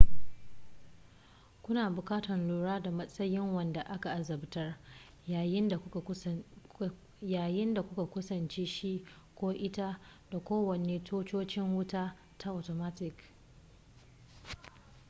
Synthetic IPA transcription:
kʷʊ˦naː˨bʊ˨kʼaː˦tɐ˨nluː˨ɽaː˦da˨mɐ˦sʼɐ˦jɪ˦ŋwɐ˨nda˨ʔa˦ka˨ʔa˨zɐ˨btɐ˦r | a˨jɪ˦nda˨˦˨ | jaː˨jɪ˦nda˨kʷʊ˦ka˨kʷʊ˦sɐ˨nt͡ʃeː˦ʃi˦ʔ | kʷoː˦ʔɪ˦ta˦da˨kʷoː˦wɐ˨neː˦tʰoː˦t͡ʃoː˦t͡ʃɪ˦ŋwʊ˦taː˦ | ta˦ʔa˨toː˨maː˦tɪ˦k

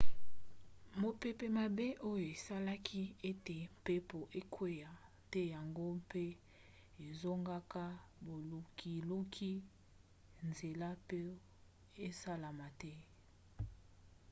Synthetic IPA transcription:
mo˨pe˨pe˨ma˨be˦ʔo˦jo˨e˨sa˦la˦kʰi˦e˦te˨m˨pe˦po˨ʔe˦kʰwe˦ja˨ | tɛ˦ja˨ŋɡo˦pe˦ | e˨zo˦ŋɡa˦ka˦bo˨lu˨ki˨lu˦kʰi˦ | nze˨la˦pe˦ | e˦sa˦la˨ma˨tɛ˦

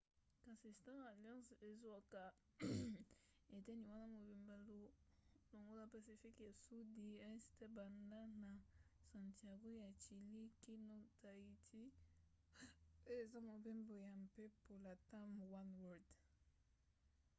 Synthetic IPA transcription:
kã˨si˨stã˦a˨ljã˦se˨za˨ka˨ | e˨tɛ˦ni˨wa˦na˦mo˨bi˨mba˦lo˦lo˨ŋɡo˦la˨pa˨si˨fi˦kja˨su˦di˦a˦stɛ˦ba˨nda˦na˨sã˨ntia˨ɡo˦ja˨t͡ʃi˨li˦ki˦no˦ta˨i˨tʰi˦ | e˨za˦mo˨be˦mbo˨ja˨mpe˦po˨la˨ta˦mwa˦nwɔ˨d

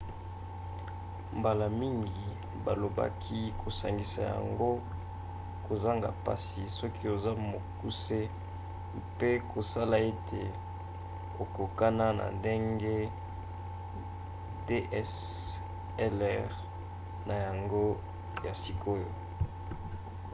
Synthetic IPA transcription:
mba˨la˨mi˦ŋɡi˨ | ba˨lo˨ba̰˦kʰi˦kʰo˨sa˨ŋɡi˨sa̰˨ja̰˨ŋɡo˦ | ko˨za˦ŋɡa̰˨pa̰˦si˨sɔ˦ki˦o˨za˦mo˨ku˦se˦ | pe˦kʰo˨sa˦la˨e˦tʰe˨ | o˨ko˨ka˦na˦na̰˨nde˦ŋɡe˦ | de˦ʔɛ˦s | ɛ˦lɛ˦ʁ | na˨ja˨ŋɡo˦ | ja˨si˨kʰo˦jo˨

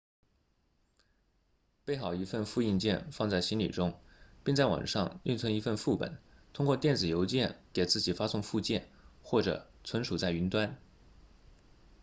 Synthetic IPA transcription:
pe˥˩ɪxɑ˨˩ʊi˧˥fə˥˧nfu˥˧i˥˧nt͡ɕjɛ˥˧nfɑ˥˧ŋt͡sa˥˩ɪɕi˥nlḭ˨˩ʈ͡ʂʊ˥ŋpi˥˧ŋt͡sa˥˩ɪwɑ̰˨˩ŋʂɑ˥˧ŋy˥˩nt͡sʰwə˧˥ni˧˥fə˥˧nfu˥˩pə̰˨˩˦nt̪ʰʊ˥ŋkwɔ˥˧t̪jɛ˥˩nd͡zɹ̩˨˩jo˧˥ʊt͡ɕjɛ˥˩nke˨˩ɪt͡sɹ̩˥˩t͡ɕi˨˩fa˥sʊ˥˧ŋfu˥˧t͡ɕjɛ̰˥˩nxwɔ˥˩ʈ͡ʂɤ̰˨˩ | t͡sʰə˧˥nʂu˨˩t͡sa˥˩ɪy˧˥nt̪wa˥n

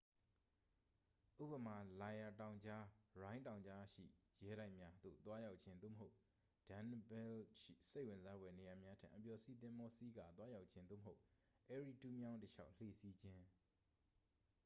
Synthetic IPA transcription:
ʔṵ˦˨pə˨ma˨la˨ja˨tã˨ʊ̃ɲd͡ʑa˦ɹã˦ɪ̃ntã˨ʊ̃ɲd͡ʑa˦ʃḭ˦˨jɛ˦ɾa˦ɪʔmja˦d̪̥o̰˦˨t̪wa˦ja˦ʊt̚t͡ɕʰɪ̃˦nd̪o̰˦˨məɦo˦ʊ | d̥ã˨nbɛ˦lʃḭ˦˨se˦ɪʔwɪ̃˨nza˦bwɛ˨ne˨ja˨mja˦tʰã̰˨ʔəpjɔ˨sḭ˦˨t̪̬ɪ̃˦mbɔ˦si˦ɡa̰˨t̪wa˦ja˦ʊʔt͡ɕʰɪ̃˦nd̪o̰˦˨məɦo˦ʊ | ʔɛ˦ɹi˨tu˦mjã˦ʊ̃ntəʃa̰˦ʊʔl̥ḛ˦˨si˦d͡ʑɪ̃˦

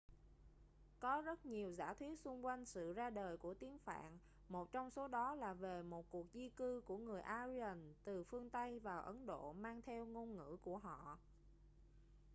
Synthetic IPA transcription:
kɔ˨˦zə˦˥t̚ɲi˨˩əwza̰ː˧˩t̪ʰwi˦˥ət̚sʊ˧ŋ͡mkwa˧jŋ̟sɨ̰˧˨zaː˧ɗəː˨˩jku˧˩ət̪i˨˦əŋfa̰ː˧˨n | mo˨˩t̚t͡ɕɔ˧wŋ͡mso˨˦ɗɔ˨˦laː˨˩ve˨˩mo˨˩t̚ku˨˩ək̚zi˧kɨ˧ku˧˩əŋɨ˨˩əjʔaː˧zi˧ə˨˩nt̪ɨ˨˩fɨ˧əŋt̪ə˧jvaː˨˩wʔə˨˦nɗo̰˧˨maː˧ŋt̪ʰɛ˧wŋo˧nŋɨ̰˧˥ku˧˩əɦɔ̰˧˨

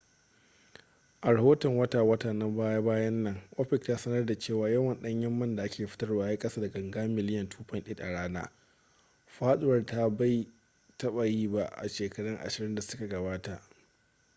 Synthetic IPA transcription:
ʔa˨ɾa˨hoː˦tɔ˨ŋwɐ˦taː˨wɐ˦taː˨na˦baː˦ja˦baː˦jɐ˦nːɐ˨ŋʔo˦ɸɪ˨k̚taː˦sɐ˦nɐ˦rda˨t͡ʃeː˦˨waː˨jɐ˦wɐ˨nɗɐ˦ɲjɐ˦mːɐ˦nda˨ʔa˦kʲeː˨ɸɪ̥˦tɐ˦rwaː˨˦ja˦kʼɐ˦saː˦dɐ˨ɡɐ˨ŋɡaː˦mɪ˨lɪ˦jɐ˨ntʰuː˦ɸɐ˦˨nɗɪ˦ɗa̰˨ɽaː˦na̰ː˦ | ɸaː˦sʊ˦wɐ˦˨rta˦ba˦˨j | tɐ˦ɓa˨jiː˦ba˦ʔʔa̰˨ʃeː˨kɐ˦ɽɐ˦ŋʔa̰˨ʃɪ˨ɾɪ˦nda˨sʊ˦ka˨ɡɐ˨baː˦ta˨ʔ

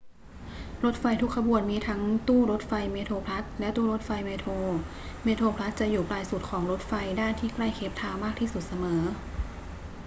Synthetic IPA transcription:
ɾo˧˦˥t̪̚fa˧jt̪ʰu˦˥kʰːa˧bu˨˩ənmiː˧˥t̪ʰa˦˥ŋt̪uː˥˩ɾo˦˥t̪̚fa˧jmeː˧t̪ʰoː˧pʰla˦˥t̪̚lɛ˦˥t̪uː˥˩ɾo˦˥t̪̚fa˧jmeː˧t̪ʰoː˧ | meː˧t̪ʰoː˧pʰla˦˥t̪̚t͡ɕa˨˩ʔjuː˨˩plaː˧jsu˨˩t̪̚kʰɔː˩˦ŋɾo˦˥t̪̚fa˧jdaː˥˩nt̪ʰiː˥˩kla˥˩jkʰe˦˥p̚t̪ʰaː˧wmaː˥˩k̚t̪ʰiː˥˩su˨˩t̪̚sa˧mɤː˩˦

